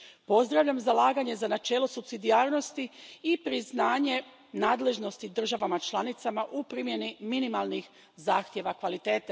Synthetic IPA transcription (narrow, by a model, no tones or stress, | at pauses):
po̞zd̪ɾaʋʎamzalaːɡaɲe̞zanat͡ʃe̞ːlo̞supsid̪iaːɾno̞st̪iipɾiznaːɲe̞ | naːd̪le̞ʒno̞st̪id̪r̩ʒaʋamat͡ʃlˠanit̪samaʔupɾimje̞niminimalˠnix | zaːxt̪je̞ʋakʋalit̪eːt̪e